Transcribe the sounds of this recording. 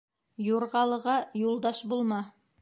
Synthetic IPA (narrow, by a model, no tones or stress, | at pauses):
juɾʁɑlˠɤ̆ʁɑjulˠd̪ɑʃbulˠmɑ